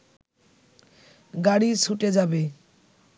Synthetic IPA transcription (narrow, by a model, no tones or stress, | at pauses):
ɡaɽisʰuʈed͡ʑabe